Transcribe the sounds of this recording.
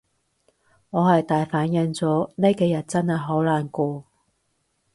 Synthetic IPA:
ŋɔː˨˧hɐ˨jt̪aː˨jfaː˨˥njɐ˨˧nt͡sɔː˨˥ne˥jkeː˧jɐ˨˩t̚t͡sɐ˥nhɐ˨˩jɦo˨˥wlaː˨˩nkɔː˧

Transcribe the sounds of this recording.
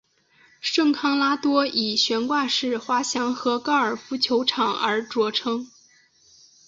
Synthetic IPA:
ʂɤ˥˩ŋkʰɑ˥ŋla˥t̪wɔ˥i˨˩ɕɥɛ˧˥nkwa˥˧ʂɻ̩˥˩xwa˥ɕjɑ˧˥ŋxɤ˧˥kɑ˥ə˞˨˩fu˧˥t͡ɕʰjo˧˥ʊʈ͡ʂʰɑ˨˩ŋə˞˧˥ʈ͡ʂwɔ˧˥ʈ͡ʂʰɤ˥ŋ

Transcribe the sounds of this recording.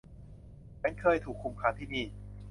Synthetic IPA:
t͡ɕa˧˥nkʰɤː˧jt̪ʰuː˨˩kʰːu˧mkʰaː˧˥nt̪ʰiː˥˩miː˧

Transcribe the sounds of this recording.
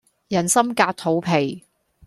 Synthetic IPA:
jɐ˨˩nsɐ˥mkaː˧k̚t̪ʰo˨˥wpʰe˨˩j

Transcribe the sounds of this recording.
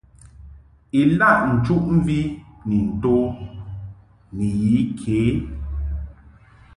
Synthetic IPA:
i˨la˦˨ʔn̩˨t͡ʃu˦ʔm̩˦vi˦ni˨n̩˨to˦ | ni˨ji˨˦kʰeː˨˦

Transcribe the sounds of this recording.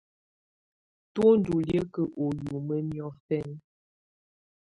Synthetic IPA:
two˦n˦du˨ljə˦kə˨ʔo˨ju˨mə˦mjɔ˦tɛ˦˨n˦

